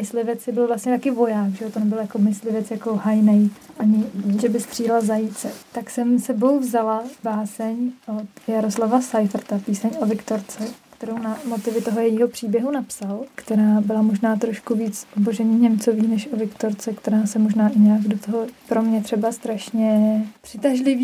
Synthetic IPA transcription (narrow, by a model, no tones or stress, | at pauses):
ɪslɪvɛt͡sɪbɪlvlast̪ɲɛt̪akɪvo̞jaːkʒɛot̪onɛbɪljakomɪslɪvɛt͡sjakohajnɛjʔaɲɪʒɛbɪst̪r̥iːlazajit͡sɛt̪aksɛmsɛbo̞wvzalabaːsɛɲʔot̪jaɾoslavasajfrt̪apiːsɛɲʔovɪkt̪o̞ɾt͡sɛkt̪ɛɾownamo̞t̪ɪvɪt̪oɦojɛjiːɦo̞pr̥iːbjɛɦunapsalkt̪ɛɾaːbɪlamo̞ʒnaːt̪ɾo̞ʃkuviːt͡soboʒɛɲɛɲɛmt͡so̞viːnɛʃʔovɪkt̪o̞ɾt͡sɛkt̪ɛɾaːsɛmoʒnaːʔɪɲaːɡdot̪oɦopɾo̞mɲɛt̪r̝̥ɛbast̪ɾaʃɲɛpr̥ɪt̪aʒlɪviː